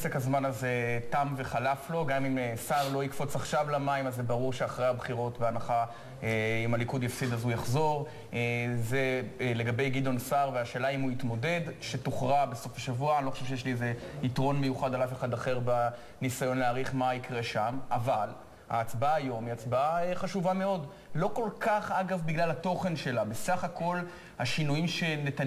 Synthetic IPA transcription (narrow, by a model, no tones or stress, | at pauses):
sekhazmanaze̞tamve̞χalaflo̞ɡamimsaʁlo̞ikfo̞t͡saχʃavlamaimazːebaʁuʁʃeaχʁehabχiʁo̞tbeanaχa | eimalikudjafsid̪azujaχzo̞ʁ | ezele̞ɡabe̞jɡido̞nsaʁveaʃe̞ːlaimuit̪mo̞de̞dʃetuχʁabeso̞faʃavuaanilo̞χḁʃevʃejeʃlieze̞itʁo̞nmejuχadalafeχad̪aχe̞ʁba | nisajo̞nleaːʁiχmaikʁe̞ʃamʔaval | ha̰ːt͡sbaːjo̞miat͡sbaeχaʃuvame̞o̞d | lo̞ko̞lkaχaɡavbiɡlalato̞χe̞nʃe̞labesaχako̞l | haʃinujimʃe̞net̪a